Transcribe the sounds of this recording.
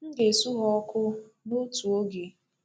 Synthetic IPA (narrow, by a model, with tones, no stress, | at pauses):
n̩˦de˨su˦ɦɔ˦ɔ˦kʊ˦ | no˦tu˨o˦ɡe˨